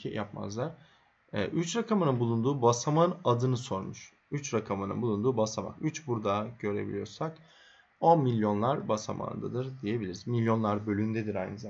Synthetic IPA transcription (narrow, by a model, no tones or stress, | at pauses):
ijapma̰zlˠaɾ | ɛ̰ːʔyt͡ʃɾakʰamanɯnbulˠund̪uːbasamanad̪ɯnɯso̞ɾmuʃ | yt͡ʃɾakʰamanɯ̰nbulˠund̪uːbasama̰kyt͡ʃbuɾd̪aɟø̞ɾe̞̰bḭlʲijo̞̰ɾsak | o̞nmilʲjo̞nlˠaɾbasa̰mʔa̰ːnd̪a̰d̪ɯɾd̪ije̞bilʲiɾizmilʲjo̞nlˠaɾbø̞lʲynd̪ɛd̪iɾajnɯza